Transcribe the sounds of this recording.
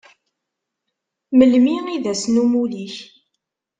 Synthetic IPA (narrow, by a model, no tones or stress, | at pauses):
məlmiiðæsnumuliç